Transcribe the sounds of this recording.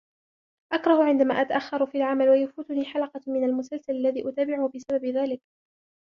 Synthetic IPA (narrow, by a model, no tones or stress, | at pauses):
ʔakɾˤɑhʊʕɪnd̪amaːʔat̪aʔaxːɑɾˤfiːalʕamalwajafuːt̪ʊniːħalɑqɑmɪnalmʊsalsalalːaðiːʔʊt̪aːbɪʕʊhbɪsababðaːlɪk